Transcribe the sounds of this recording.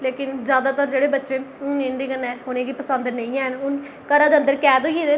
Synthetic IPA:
leːkɪnzjaːd̪aːt̪əɾd͡ʒeːɽeːbətːʃeːʊnẽnd̪eːkənːɛːɦoːnẽːɡiːpəsənd̪nəĩːɛːɦnʊn | kəɾãːd̪eə̃nd̪əɾkɛːd̪oːɡeːd̪eː

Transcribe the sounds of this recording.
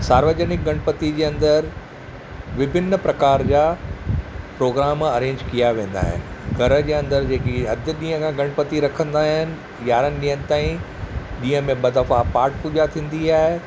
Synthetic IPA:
saːɾʋəd͡ʑənɪk̚ɡɐ̃ɽ̃pət̪id͡ʑeːɐ̃nd̪əɾ | ʋɪbʱɪnːəpɾɐkaːɾd͡ʑaː | pɾoːɡɾaːmɐɾẽːɲd͡ʑkijaʋẽːn̆d̪a̰ːɦɪ̰nɪ̆ɡʱɐɾə̆d͡ʑeːɐ̃nd̪əɾd͡ʑeːkiɐd̪ʱɪɗĩːɦə̃kʰãɡɐɽ̃pət̪iɾɐkʰə̃nd̪aːɦɪnɪ̆ | jaːɾənɪ̆ɗĩɦənɪ̆t̪aːĩ | ɗĩːɦə̃mẽɓɐd̪ɐfapaːɾʈ̚puːd͡ʑat̪ʰĩːn̆d̪iaːɦe

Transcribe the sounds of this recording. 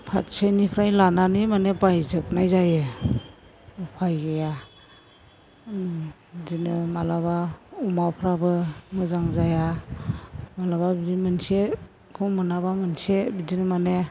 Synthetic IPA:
pʰa̰tsenipʰɾajlananimanebajzɯk̚najzajɯ | upʰajɡeja | bizinɯmalaβaumapʰɾabɯmɯzaŋzaja | malababiimɯnse | kʰɯwmɯnabamɯnsebidinɯmane

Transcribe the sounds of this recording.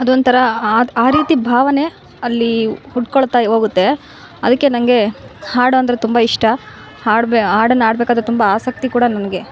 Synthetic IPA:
ɐd̪ont̪ʰɐɾɐaːɾiːt̪ibʱaːʋɐne̞ | ɐlːihuʈːkoɭt̪aːjiɦo̞ːɡut̪ːe̞ | ɐd̪ɐkːe̞nɐŋɐɡe̞haːɽoɐnd̪ɐɾet̪umbɐiʂʈɐ | aːɽbeaːɽɐnːaːɽbekaːd̪ɾet̪umbɐaːsɐk̚t̪ikuːɽɐnɐnɐɡe̞

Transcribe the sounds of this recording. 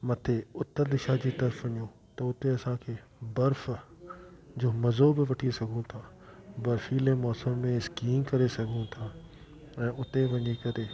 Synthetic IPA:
mɐt̪ʰeʊt̪əɾd̪ɪʃad͡ʑiːt̪ɐɾfɐɲõ | t̪ɐʊt̪eɐsãkʰeː | bɐɾf | d͡ʑoːmɐzobɪʋɐʈʰisɐɡʱũt̪ʰa | bɐɾfiːlemɔːsəmːẽɪskiːmkɐɾesɐɡʱũt̪ʰa | ɛ̃ːʊt̪eʋɐɲikɐɾeː

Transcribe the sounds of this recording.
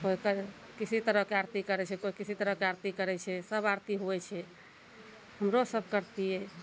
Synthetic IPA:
kokə | kit͡ʃʰit̪əɾəɦkeaɾt̪ikəɾɛt͡ʃʰɛkoikit͡ʃʰit̪əɾəɦkeaɾt̪ikəɾɛt͡ʃʰɛsəbaɾt̪iɦoɛt͡ʃʰɛ | həmɾosəb̚ʱkəɾt̪ijɛ

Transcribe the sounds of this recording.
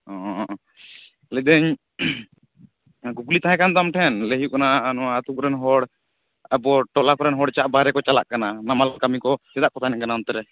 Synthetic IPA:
ɔ | lɛd̪əɲ | ɡuɡlit̪aɦɛ̃kant̪amʈʰɛnləɦjuʔkananɔaːt̪ukɔɾɛnɦɔɽ | abɔʈɔlakɔɾɛnɦɔɽt͡ʃaʔbaɾɛkɔt͡ʃala̰ʔkananamalkamikɔsɛd̪aʔkɔt̪ʰanɛkanant̪ɛɾɛ

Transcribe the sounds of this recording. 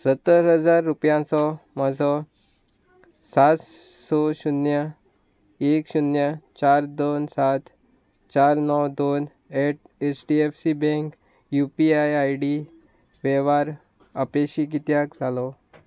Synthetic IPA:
sət̪ːəɾɦəd͡zaɾːupjãt͡sɔməd͡zʱɔ | sat̪ | sɔɕunjə | ekɕunjət͡ɕaɾd̪onsat̪ʰ | t͡ɕaɾnəwd̪on | eʈ̚ | et͡sɖiefsibɛ̃ŋk | jupiajajɽi | ʋɛʋaɾ | əpeɕik̬it̪jakd͡zʱalɔ

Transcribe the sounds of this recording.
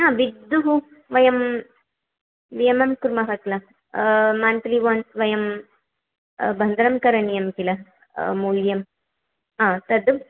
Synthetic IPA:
aːʋid̪ːuɦu | ʋɐjɐm | ʋiɐmɐmkuɾmɐɦɐt̪lɐ | maːnʈɐliʋɐːnsʋɐjɐm | bʱɐnd̪ɐɾɐmkɐɾɐnijɐmkilɐ | muːljɐm | ɦaːt̪ɐd̪u

